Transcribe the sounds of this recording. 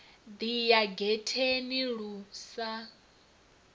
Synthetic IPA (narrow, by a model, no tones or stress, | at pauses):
d̪ijaɡɛtʰeniɺuːsa